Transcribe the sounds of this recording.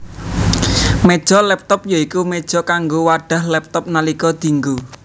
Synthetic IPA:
med̥ʒ̥ɔ̤lɛp̚t̪ɔp̚jaikumed̥ʒ̥ɔ̤kaŋɡowaɖ̥a̤hlɛp̚t̪ɔp̚nalikɔd̪̥i̤ŋɡu

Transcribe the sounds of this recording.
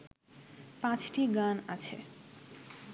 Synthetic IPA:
pãt͡ɕʈiɡanat͡ɕʰḛ

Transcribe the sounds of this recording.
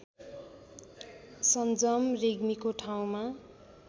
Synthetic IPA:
sʌnd͡zʌmreɡmikoʈʰaw̃ma

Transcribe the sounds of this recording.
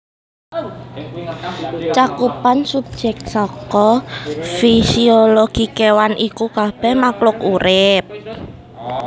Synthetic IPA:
t͡ʃakupansup̚d̥ʒ̥ɛk̚sɔkɔfisioloɡ̥ikewanʔikukab̥ɛhmaklʊkuɾɪp̚

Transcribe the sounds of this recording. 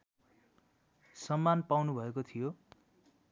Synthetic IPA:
sʌmːanpawnubʱʌekot̪ʰijo

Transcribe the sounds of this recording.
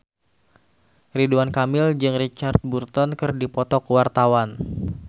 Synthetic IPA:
riduankamɪld͡ʒɨŋrit͡ʃart̪̚burt̪ɔnkɨrdipɔt̪ɔkwart̪awan

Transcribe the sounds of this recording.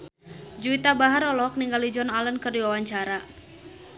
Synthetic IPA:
d͡ʒuit̪abaɦaɾɔlɔɔk̚niŋɡalid͡ʒɔnalənkɨrdiwawaɲt͡ʃaɾa

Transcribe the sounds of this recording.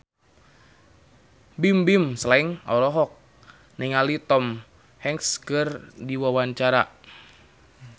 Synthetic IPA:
bimbimsəlaiŋɔ̰ɾɔɦɔk̚ | niŋalit̪ɔm | hɛŋkskɨrdiwawaɲt͡ʃaɾa̰

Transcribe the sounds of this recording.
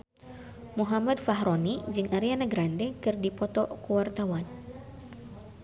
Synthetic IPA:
muɦamad̪faɦɾonid͡ʒɨŋʔaɾianaɡɾandɛkɨrdipɔt̪ɔkuwart̪awan

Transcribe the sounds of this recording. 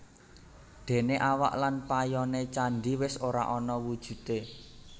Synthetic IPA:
d̪̥e̤neʔawa̰ʔlanpajɔnet͡ʃanɖiwɪsoɾa̰ʔɔnɔwud̥ʒ̥ṳt̪e

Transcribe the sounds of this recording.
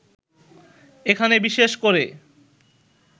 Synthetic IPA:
ekʰanebiʃeʃkoɾe

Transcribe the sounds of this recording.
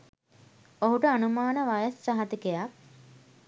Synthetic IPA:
oɦuʈəanumaːnəʋajəsːɐɦɐt̪ikejak̚

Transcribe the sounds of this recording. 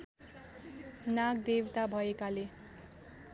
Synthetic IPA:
naɡd̪ewt̪abʱʌekale

